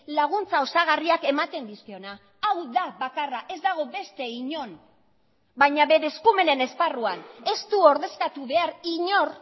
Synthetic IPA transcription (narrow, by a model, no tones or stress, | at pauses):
laɣ̞unt͡sao̞saɣ̞ariake̞mat̪e̞nd̪iskeo̞na | awðaβakaraʔe̞zd̪aɣ̞o̞be̞st̪e̞iɲo̞n | bajɲaβe̞ɾe̞skume̞ne̞ne̞sparuane̞st̪uo̞ɾðe̞skat̪uβe̞aɾiɲo̞r